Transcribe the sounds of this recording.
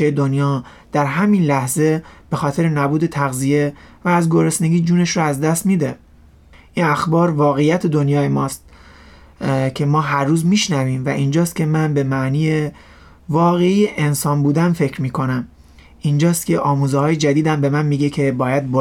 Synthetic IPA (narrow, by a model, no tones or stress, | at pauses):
ejed̪onjɒː | d̪̥æɾɦæminlæhze̞b̥e̞xɒːt̪ʰe̞ɾenæbuːd̪e̞t̪ʰæɣzije̞væːzɡo̞ɾesne̞ɡʲiːd͡ʒuːne̞ʃɾoæzd̪æst̪miːd̪e̞ | ʔinæxbɒːɾvɒːɣejæt̪ʰe̞d̪o̞njɒːjemɒːst̪ | cʰe̞mɒːɦæɾːuːzmiːʃnæviːmvæʔind͡ʒɒːst̪̚cʰʲe̞mænbe̞mæʔniːje | vɒːɣe̞ijeʔensɒːnbuːd̪ænfe̞cɾmiːkʰo̞næm | ʔind͡ʒɒːst̪cʰe̞ʔɒːmuːzehɒːjed͡ʒæd̪iːd̪æmbe̞mænmiːɟecʰe̞bɒːjæd̪̚b